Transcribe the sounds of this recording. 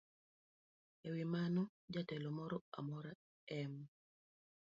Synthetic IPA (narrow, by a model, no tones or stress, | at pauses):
ewimanɔ | d͡ʒatɛlɔmɔɾɔa̰mɔɾa | ɛm